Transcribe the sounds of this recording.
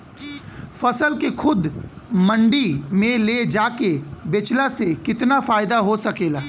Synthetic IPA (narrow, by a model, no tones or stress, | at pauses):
fɐsəlkexʰʊd̪mɐ̃ɳɖimẽled͡ʒaːkebet͡ʃlasekɪt̪nafaːɪd̪aɦosɐkeːlaː